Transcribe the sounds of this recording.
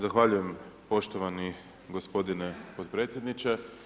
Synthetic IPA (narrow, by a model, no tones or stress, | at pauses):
zaxʋaʎuje̞mpo̞ʃt̪oʋani | ɡospo̞d̪inepot̪pɾe̞ːt̪sjed̪nit͡ʃe